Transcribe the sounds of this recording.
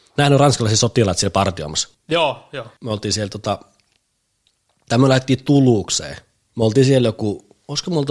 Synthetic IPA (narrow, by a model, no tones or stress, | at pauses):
næhnyrɑnskɑlɑˑiset̪sot̪iˑlɑˑt̪sielpɑrt̪io̰mɑs | joːjomøolt̪iːsielt̪ot̪ɑ | t̪æmːølæhtet̪ːiːt̪uluˑksḛˑː | møolt̪iːsieljoku | oˑiskomuolt̪